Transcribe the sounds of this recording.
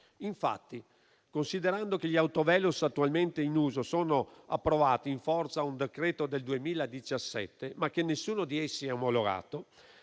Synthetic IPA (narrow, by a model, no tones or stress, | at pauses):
iɱfa̰t̪ːi | konsid̪eɾand̪ok̟eʎːawt̪ovɛːlusat̪ːualment̪einuːzosoːnoa̰pːɾovaːt̪iːiɱfɔrt̪saund̪ekɾɛːt̪od̪eld̪uemiːlaed̪it͡ʃasːɛ̰t̪ːemak̟ːenːesːuːnod̪iesːiɛomoloɡa̰ːt̪o